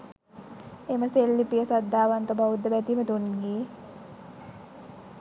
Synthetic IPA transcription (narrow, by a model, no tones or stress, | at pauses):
eməselːipijəsad̪ːaːʋant̪əbaud̪ːəbæt̪imət̪unɡeː